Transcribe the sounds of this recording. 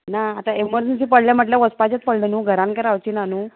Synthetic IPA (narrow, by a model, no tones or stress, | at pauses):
naːt̪aeməɾd͡ʑensipəɽljam̤əʈljaʋəspat͡ɕat̪̚pəɽlenuːɡʱəɾãnkaɾaʋt͡ɕiːnanuː